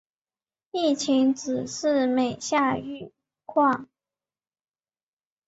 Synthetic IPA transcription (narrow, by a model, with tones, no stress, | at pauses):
i˥˩t͡ɕʰi˧˥ŋt͡sɹ̩˨˩ʂɻ̩˥˩me˨˩ɪɕja˥˧y˥˧ | kʰwɑ˥˩ŋ